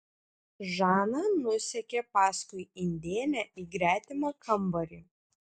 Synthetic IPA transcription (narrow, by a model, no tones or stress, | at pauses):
ʒɑːnɑːnʊsʲɛkʲeːpɑːskʊɪɪnʲd̪ʲeːlʲæʔiːɡɾʲæːt̪ʲɪmɑkʰɐmˑbɐɾʲi